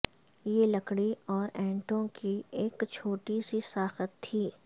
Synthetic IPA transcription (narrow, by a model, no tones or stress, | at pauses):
jelɐkɽiɔːɾɛ̃ːɳʈõkieːkt͡ʃʰoːʈisisaːxət̪ʰːiː